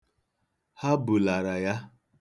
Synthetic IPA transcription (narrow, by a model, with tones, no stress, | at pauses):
ha˦bu˨la˨ɾa˨ja˦